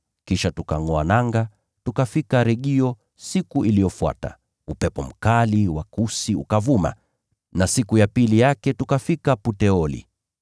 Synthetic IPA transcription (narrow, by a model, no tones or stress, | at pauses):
kiʃatukaŋɔanaŋɡa | tukafikaɾɛɠiɔ | sikuʔilijɔfua̰ta̰ | upɛpɔm̩kaliwakusiṵkavuma̰ | nasikujapilijakɛtukafikaputɛɔlḭ